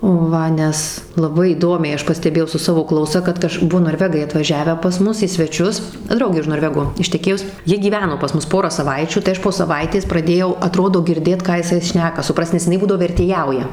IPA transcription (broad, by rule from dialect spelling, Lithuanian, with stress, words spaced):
ˈʋɐ ˈnʲɛs lˠɐˈbɐɪ iːˈdoːmʲɛɪ ˈɐʃ pɐsʲtʲɛˈbʲeːjɛʊ sʊ ˈsɑːʋoː ˈklˠɐʊsɐ kɐt ˈkɐʃ ˈbuɔ noːrʲˈʋʲæːɡɐɪ ɐtʋɐˈʒʲæːʋʲæː pɐs ˈmʊs iː sʲʋʲɛˈt͡ʃʲʊs ˈdrɐʊɡʲeː ʊʃ noːrʲˈʋʲæːɡoː ɪʃʲtʲɛˈkʲeːjʊs ˈjiɛ ɡʲiːˈʋʲæːnoː pɐs ˈmʊs ˈpoːrɑː sɐˈʋɐɪt͡ʃʲuː tɐɪ ˈɐʃ poː sɐˈʋɐɪtʲeːs prɐˈdʲeːjɛʊ ɐˈtroːdoː ɡʲɪrʲˈdʲeːt ˈkɑː jɪˈsɐɪ ˈʃʲnʲæːkɐ sʊˈprɐst nʲɛs ɪˈnɐɪ ˈbuːdɐʋoː ʋʲɛrʲtʲeːˈjɛʊjɛ